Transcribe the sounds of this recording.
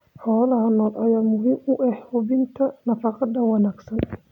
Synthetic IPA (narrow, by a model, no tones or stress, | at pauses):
ħɔːlɐɦɐnɔːlʔɐjaːmʊɦiːmʊʔɛħhʊβɪnt̪ʰɐnɐfɑqɑd̪ɐwɑnaːɡsɐn